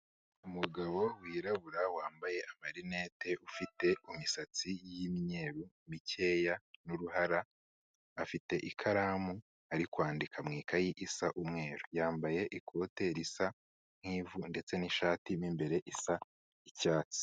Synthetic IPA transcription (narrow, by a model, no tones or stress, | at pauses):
umuɡaβo̞wiːɾaβuɾawaːmbaje̞ʔamaɾine̞ːte̞ʔufite̞umisat͡sijimiɲe̞ːɾu | mice̞ːjanuɾuhaɾaː | fite̞ʔikʰaɾaːmu | aɾikwaːndikʰamŋiːkajiʔisaʔumŋe̞ːɾojaːmbaje̞ʔikʰo̞te̞ɾisa | ŋ̥iːvunde̞t͡se̞niʃaːtimimbe̞ɾe̞ʔisa | icaːt͡si̥